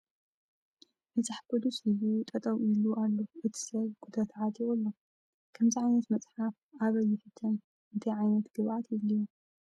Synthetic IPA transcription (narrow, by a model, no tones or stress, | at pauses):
bɨt͡saħbʰod̪usilut̪ʼɐt̪ʼɐwɪlualːoʔɨt̪ʰi̥sɐβɡud̪at̪ʰɐʕat̪ʰʼiɣulːo | kʰɐmziʕajnɐt̪mɐt͡sʼħaf | ʔaβɐjːɪfɨt̪ʰːɐn | ʔɨnt̪ʰɐjʕajnɐt̪ɡ̥ɨβʔat̪jɪβliju